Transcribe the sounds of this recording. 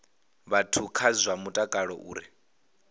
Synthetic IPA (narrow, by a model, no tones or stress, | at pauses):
βatʰukʰazʷamutʼakʼaɺɔʔuːɾi